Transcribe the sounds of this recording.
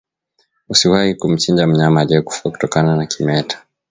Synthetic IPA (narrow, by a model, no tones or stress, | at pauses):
usiwahikum̩t͡ʃind͡ʒam̩ɲamaʄɛku̥faku̥tɔkananakimɛtʰḁ